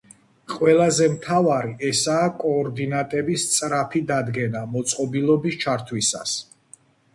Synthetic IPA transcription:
qʼwɛlazɛmt̪ʰavaɾiʔɛsaːkʼɔːɾd̪inat̪ʼɛbist̪sʼɾapʰid̪ad̪ɡɛnamɔt̪sʼqʼɔbilˠɔbist͡ʃʰaɾt̪ʰwisa̰s

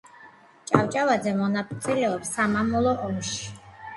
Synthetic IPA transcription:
t͡ʃʼawt͡ʃʼavad̪zɛmɔnapʼt̪sʼilɛɔpsamamɔlˠɔʔɔmʃi̥

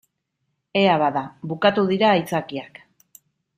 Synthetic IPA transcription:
e̞aβaðaβukat̪uðiɾaːjt͡sakiak

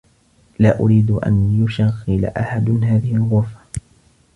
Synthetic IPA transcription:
laːʔʊɾiːd̪ʔa̰njʊʃaɣːɪla̰ʔaħad̪ɦaːðɪhɪlɣʊɾfḁ

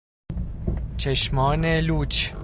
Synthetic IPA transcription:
t͡ʃʰeʃmɒːneluːt͡ʃ

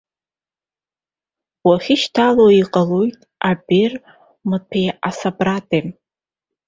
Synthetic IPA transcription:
waχʲɪʃtʰaloiqʼalojtʼabir | mɨtʰejasabratʰʼe

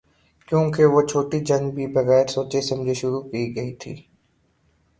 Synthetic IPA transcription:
kjõːkeʋot͡ʃʰoːʈid͡ʒɐ̃ŋbʱibɐɣɛːɾsoːt͡ʃesɐ̃md͡ʒʱeʃʊɾukiːɡɐit̪ʰḭː

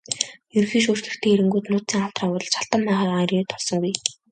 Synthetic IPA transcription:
jɵɾ̆xiːŋʃ̬uːr̥t̪ɘ̆kt̪ʰeːeɾɘ̆ŋɡuːt̪nʊːt̪t͡siːŋaw̥t̪raːʊːɾɞ̆t͡ɕʰaɬt̪ə̆mːæːχaːʁaɾiːt̪ʰɔɮsɞ̆ŋɡuj

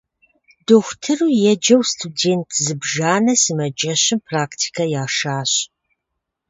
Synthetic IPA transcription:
doxʷtʰɨruːjɛd͡ʒɐwstʰudeːntʰzɨbʒaːnɐsɨmɐd͡ʒɐɕɪmpʰraːktʰi̥kʰɐjaːʃaːɕ

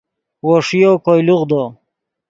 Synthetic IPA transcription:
woʂijokojluʁd̪o

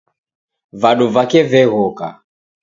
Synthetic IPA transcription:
vaɗuvakɛvɛɣɔka̰

